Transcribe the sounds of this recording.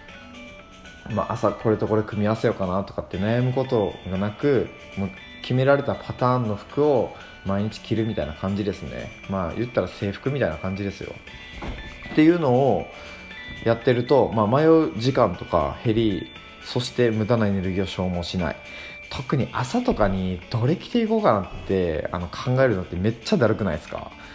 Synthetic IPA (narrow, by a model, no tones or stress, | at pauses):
ma̰ʔasakʰo̞ɾe̞t̪o̞ko̞ɾe̞kɯ̟mʲiase̞jo̞kanat̪o̞kat̪ːe̞najamɯ̟ko̞t̪o̞ɡanakɯ̟ | mo | kʲʰime̞ɾaɾe̞t̪apʰat̪ãːnːo̞ɸɯ̟̥kɯ̟o̞ | maiɲ̟it͡ɕi̥kʲiɾɯ̟mʲit̪ainakʰãɲ̟d͡ʑid̪e̞sɨne̞̰ | maːjʔɯ̟t̪ːaɾase̞ːɸɯ̟̥kɯ̟mʲit̪ainakãɲ̟d͡ʑid̪e̞sɨ̰jo̰ | t̪ːe̞jɯ̟ːno̞ː | jat̪ːe̞ɾɯ̟t̪o̞maːmajo̞ʑikãnt̪o̞̥ka̰he̞ɾʲi | so̞ɕi̥t̪e̞mɯ̟d̪anoe̞ne̞ɾɯ̟ɡʲio̞ɕo̞ːmo̞ːɕina̰ḭ | t̪ʰo̞kɯ̟ɲ̟iʔasat̪o̞kaɲ̟id̪̥o̞ɾe̞kʲi̥t̪e̞iko̞ːkanãt̪ːe̞a̰no̞kʰãŋɡae̞ɾɯ̟not̪ːe̞me̞t͡ɕːad̪aɾɯ̟kɯ̟naisɨ̥ka̰